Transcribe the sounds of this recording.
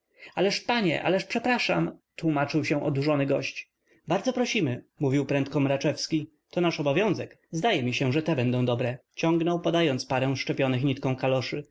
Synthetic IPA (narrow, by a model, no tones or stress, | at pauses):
alɛʂpaɲɛ̰ʔa̰lɛʂpʂɛpɾaʂa̰mt̪wumat͡ʂɘwɕɛ̃ʔɔd̪uʐɔnɘɡɔɕt͡ɕ | baɾd̪zɔpɾɔɕimɘmuvʲiwpɾɛnt̪̚kɔmɾat͡ʂɛfskʲi | t̪ɔnaʂɔbɔvʲjɔ̃w̃zɛk | zd̪ajɛmʲiɕɛʐɛt̪ɛbɛnd̪ɔ̃w̃d̪ɔbɾɛt͡ɕɔ̃ŋɡnɔwpɔd̪ajɔnt̪spaɾɛw̃ʂt͡ʂɛpʲjɔnɘxɲit̪kɔ̃w̃kalɔʂɘ